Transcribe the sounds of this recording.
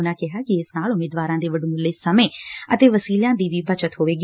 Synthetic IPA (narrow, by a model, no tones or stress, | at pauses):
ʊnãːkɪɦaːkɪɪsnaːlʊmeːd̪ʋaːɾãːd̪eːʋəɖoːmʊlːeːsəmẽːət̪eːʋəsiːljãːd̪iːʋiːbət͡ʃət̪ɦoːʋeːɡi